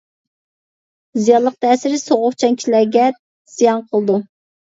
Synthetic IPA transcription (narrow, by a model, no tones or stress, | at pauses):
zijɑlˠːəq̚t̪ʰɛːsɪɾɪsoʁʊχt͡ʃʰɛŋkʲʰilæɾɡʲɛ | z̥ijɑnqʰəlˠd̪u